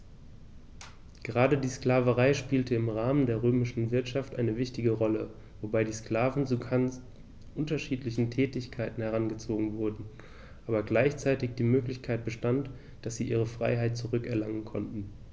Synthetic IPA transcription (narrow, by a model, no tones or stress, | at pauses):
ɡ̥əʁaːdədiːskl̥aːvəʁaɪʃpiːltəɪmʁaːməndeːɐʁøːmɪʃn̩vɪɐtʃaftʔaɪnəvɪçtɪɡəʁɔlə | vobaɪdiːskl̥aːvn̩t͡suan | ʔʊntɐʃiːtlɪçn̩tʰɛːtɪçkʰaɪtn̩hɛʁ̞anɡət͡soːɡŋ̩vʊɐdn̩ | ʔaːbɐɡlaɪçt͡saɪtɪçd̥iːmøːklɪçkʰaɪt̚b̥əʃtant | d̥asz̥iːʔiːʁ̞əfʁ̥a̰ɪɦaɪt̚t͡suʁʏkɛɐlaŋənkʰɔntn̩